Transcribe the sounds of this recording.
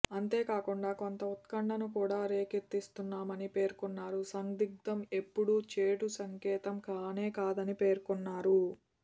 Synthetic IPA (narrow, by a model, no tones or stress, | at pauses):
ɐnt̪e̞ːkaːkuɳɖaːko̞nt̪ɐut̪kɐɳɖɐnukuːɽaːɾe̞ːkeɾt̪ːist̪unːaːmɐnipe̞ːɾkunːaːɾusɐŋd̪iɡ̚d̪ɐme̞pːuɽuːt͡ʃe̞ːʈusɐŋkɛːt̪ɐmkaːneːkaːd̪ɐnipe̞ːɾkunːaːɾu